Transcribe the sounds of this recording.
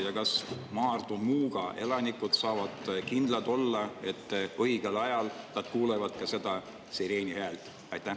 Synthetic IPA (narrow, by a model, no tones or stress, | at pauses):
jɑkɑsmɑːrd̪umuːɡ̥ɑe̞lɑnikːˑud̪sɑːvɑd̪̥kind̪̥lɑd̪o̞lːɑe̞t̪ːɤiɡ̥elɑjɑlnɑd̪̥kuːlevɑd̪̥kɑse̞d̪̥ɑ | siɾeːnihæːlt̪ | ɑjt̪ːˑæ